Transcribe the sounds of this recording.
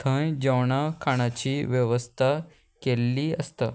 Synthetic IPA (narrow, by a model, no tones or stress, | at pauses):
t̪ʰə̃jd͡ʑəʋɳ̃akʰaɽ̃at͡ɕiːʋjəʋəst̪ʰa | kelːiːəst̪ə